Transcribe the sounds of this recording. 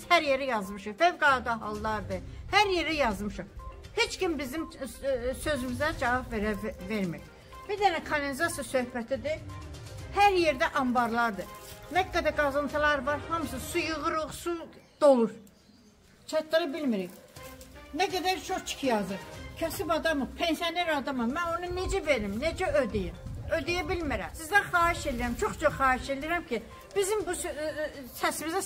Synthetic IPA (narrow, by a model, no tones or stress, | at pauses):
zhæɾjeɾæjɑzmɯʃɯfevɡɑd̪ɑɦɑlˠːɑɾd̪ɯhæɾje̞ɾæjɑzmɯʃɯχhet͡ʃcʰimbizim | sø̞zymyzæd͡ʒɑvɑbveɾæveɾmiɾ | b̥iɾd̪ænækʰalenizɑsijasø̞hpæt̪ʰid̪i | hæɾje̞ɾd̪æʔɑmbɑɾlˠɑɾd̪ɯnæɡːæd̪æɡɑzɯnt̪ʰɯlˠɑɾvɑɾhɑmsɯsujɯʁɯɾuχsud̪̥olˠuɾ | t͡ʃʰɑt̪ːɑɾɑbilmiɾiç | næɡæd̪æɾt͡ʃʰoχt͡ʃʰi̥kʰijɑzɯɾcʰæsibɑd̪ɑmɯpʰensijoneɾɑd̪ɑmɑnmæno̞nuned͡ʒæbeɾimned͡ʒæød̪ijimød̪ijæbilmiɾæmsizd̪æχɑːhiʃeliɾæmt͡ʃʰoχt͡ʃʰoχɑːhiʃeliiɾæmcʰi | b̥izimbus | sæsimizæ